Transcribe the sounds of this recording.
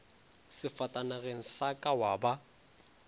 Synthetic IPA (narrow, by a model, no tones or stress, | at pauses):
sɪfatʼanaɣeŋ̩sakʼawaːba